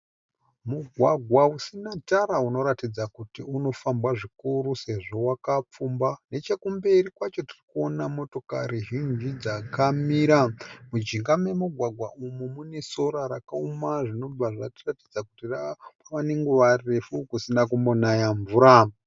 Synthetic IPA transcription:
muɡʱwaɡʱwausinataɾauno̞ɾatid͡zakutiuno̞fambwaʐikuɾuse̞ʐo̞wakap͡fumbane̞t͡ʃekumbe̞rikwat͡ʃo̞tirikuo̞namo̞to̞kaɾiʒind͡ʒid͡zakamiɾamud͡ʒiŋɡame̞muɡʱwaɡʱwa̰ʔumumune̞so̞ɾaɾakaumaʐino̞b͡vaʐatiratid͡zakutirapaʋaneŋɡuʋare̞fukusinakumbo̞najaɱvuɾa

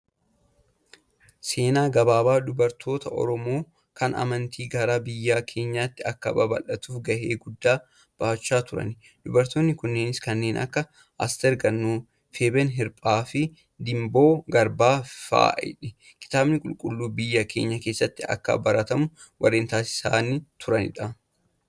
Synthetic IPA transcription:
se̞ːnaːɡɐbaːbaːd̪ʊbɐɾt̪ʰo̞ːt̪ɐʔɔ̰ɾɔmoː | kʰɐnʔɐ̰mɐnt̪ʰiːɡɐɾaːbɪjːaːkʰe̞ːɲːaːt̪ːɪɐkːɐbɐbɐ̰lʔɐt̪uːfɡɐheːɡʊd̪ːaː | b̥ɐʔt͡ʃːaːt̪ʊɾɐ̰n | d̪̥ʊbɐɾt̪oːnːɪkʊnːe̞ːnɪskɐnːe̞ːnʔɐ̰kːɐ | ʔɐ̰st̪ɛɾɡɐnːuː | feːbɛnɦɪɾpʼaːfɪ | d̪ɪmbo̞ːɡɐɾbaːfa̰ːɪ̰ᶑɪ | kɪ̥t̪aːbnɪkʼʊlkʼʊlːuːbɪjːɐkʰe̞ːɲːɐke̞ːsːɐt̪ːɪɐ̰kːɐ̰bɐɾɐt̪ɐmʊ | wʔɐrːeːnt̪aːsɪ̥saːnit̪ʰʊɾɐnɪ̰ᶑɐ

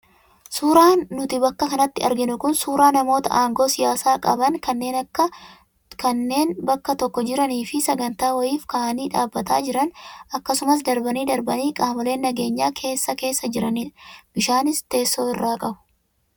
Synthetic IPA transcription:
suːɾaːnːʊt̪ɪbɐkːɐkɐnɐt̪ːɪɐ̰ɾɡɪnʊkʊnsuːɾaːnɐmo̞ːt̪ɐ̰ʔaːŋɡo̞ːsɪjaːsaːkʼɐ̰bɐnkʰɐnːe̞ːnɐkːɐ | kɐnːe̞ːnbɐkːɐt̪ɔkːɔd͡ʒɪɾɐniːfɪsɐɡɐnt̪aːwɐjiːfkaːɐniːᶑaːbːɐt̪aːd͡ʒɪɾɐnɐkːɐsʊmɐs̬d̪ɐɾbɐniːd̪ɐɾbɐniːkʼaːmɐle̞ːnːɐɡe̞ːɲːaːkʰe̞ːsːɐke̞ːsːɐd͡ʒɪɾɐnib̥ɪʃaːnɪst̪e̞ːsːo̞ːɪrːaːkʼɐbʊ̥

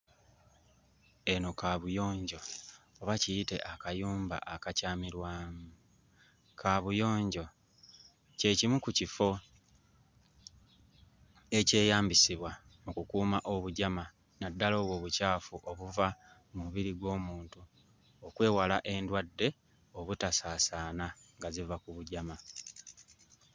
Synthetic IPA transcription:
e̞no̞kaβujo̞ːɲɟo̞ːβaciite̞ʔakajuːmba̰ʔakacaːmiɾwaːmu | kʰaβujo̞ːɲɟo̞ | ce̞cimukucifo̞ | e̞ce̞ːjaːmbisiβwa | mukukuːmaʔo̞βuɟama | nadːalo̞ːβwo̞ːβucaːfuʔo̞βuva | muβiɾiɡwo̞ːmuːntu | o̞kwe̞ːwalaʔe̞ndwadːe̞ | o̞βutasaːsaːnaŋɡazivakuβuɟama

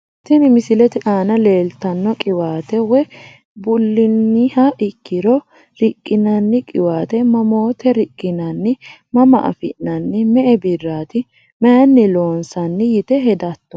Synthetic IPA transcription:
t̪ɪnɪmɪsɪlɛt̪ɛʔaːnɐle̞ːlt̪ɐnːɔkʼɪwaːt̪ɛwɛ | bʊlːɪnːɪhɐʔɪkːɪɾɔ | ɾɪkʼːɪnɐnːɪkʼɪwaːt̪ɛmɐmo̞ːt̪ɛɾɪkʼːɪnɐnːɪmɐmɐ̰ʔɐ̰fɪnɐnːɪmɛʔɛbɪrːaːt̪ɪ | mɛjɐnːɪlo̞ːnsɐnːɪjɪt̪ɛɦɛd̪ɐt̪ːɔ

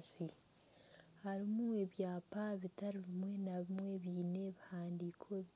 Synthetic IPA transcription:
si | haɾimue̞βjaːpaβitaɾiβimwe̞naβimwe̞βjiːne̞βihaːndikʰo̞

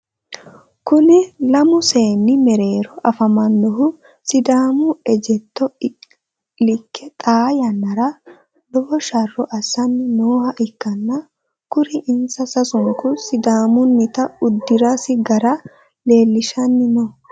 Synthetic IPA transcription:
kʊnɪlɐmʊse̞ːnːɪmɛɾe̞ːɾɔʔɐfɐmɐnːɔɦʊ | sɪd̪aːmʊɛd͡ʒɛt̪ːɔ | lɪkːɛt̪ʼaːjɐnːɐɾɐ | lɔbɔʃɐrːɔʔɐsːɐnːɪnoːhɐʔɪkːɐnːɐ | kʊɾɪʔɪnsɐsɐsʊŋkʊsɪd̪aːmʊnːɪt̪ɐʊd̪ːɪɾasɪɡɐɾɐ | le̞ːlːɪʃɐnːɪnɔ

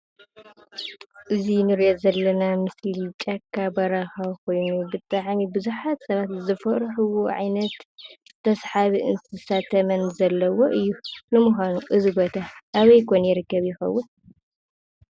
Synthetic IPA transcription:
ʔɨzinɨɾjozɐlːɐnamɨslit͡ʃʼɐkʰːabɐɾaxɐwkʰo̞jnubɨt̪ʼːaʕnibɨzuħat̪sɐβat̪zɨfɐʔɾħuwoʕa̰jnɐt̪ | t̪ʰɐsħaβiʔɨ̰nt̪ʰizɨsat̪ʰɐmɐnzɐlːɐwo̞ʔɨjːunɨmuxʷanuʔɨzibo̞t̪ʰaʔaβɐjkʰonjɪɾɨkːɐβjɪxɐ̰wːʊn

